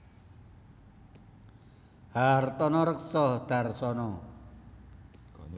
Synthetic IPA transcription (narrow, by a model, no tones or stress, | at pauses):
hart̪ɔnɔɾək̚sɔhd̪̥a̤rsɔnɔ